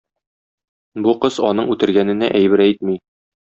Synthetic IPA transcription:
buqɤz̥ɒnɤɴʉt̪ɘ̆ɾɡænɘ̆næʔæjbɘ̆ɾæjt̪̚mi

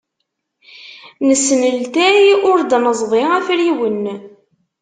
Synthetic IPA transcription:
nəsːnəlt̪æjʊɾd̪nəzˤvˤiæfɾiwənː

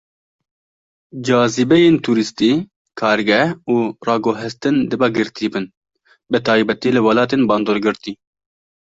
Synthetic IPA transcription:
d͡ʒɑːzɨbɛjeːnt̪ʰuːɾɨst̪iː | kʰɑːɾɡɛhuːrɑːɡoɦɪst̪ɨnd̪ɨbɛɡɨɾt̪ʰiːbɨn | bɨt̪ʰɑːjbɛt̪iːlɨwɑlɑːt̪eːnbɑːnd̪oːɾɡɨɾt̪iː

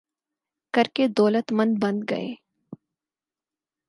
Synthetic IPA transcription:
kɐɾked̪ɔːlət̪mə̃nd̪̚bɐ̃nd̪ɡɐ̰ḛː

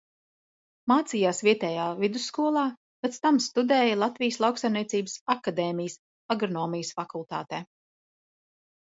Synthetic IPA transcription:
maːt̪siːjaːsviɛt̪ɛːjaːvid̪usːkuɔlˠɑː | pʲɛt̪st̪amst̪ud̪ɛːjɐlˠat̪vijəslˠawksajmniɛsiːbsakad̪ɛːmijəs | aɡɾɔnɔːmijəsfakulˠt̪a̰ːt̪ɛː

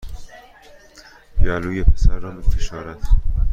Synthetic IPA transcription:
bijɒːluːjepʰesæɾːɒːmifʰeʃɒːɾæt̪

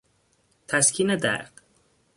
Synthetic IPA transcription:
t̪ʰæskʰined̪æ̰ɾd̪̥

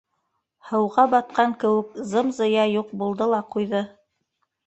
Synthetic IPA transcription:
hɤ̆wʁɑbɑt̪̚qɑŋkɘ̆wɘkzɤmzɤ̆jɑjuq̚bulˠd̪ɤlˠɑqujðɤ

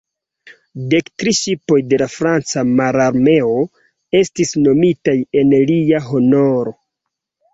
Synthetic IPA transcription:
de̞ktɾiʃipo̞jde̞lafɾant͡samaɾaɾme̞o̞ | e̞stisno̞mitaje̞nliaɦo̞no̞ɾo̞

